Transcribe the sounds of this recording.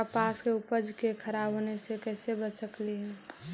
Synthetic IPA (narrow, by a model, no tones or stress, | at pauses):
əpaskeupəd͡ʒkekʰəɾabonesekɛːsebət͡ʃəkliɦɛ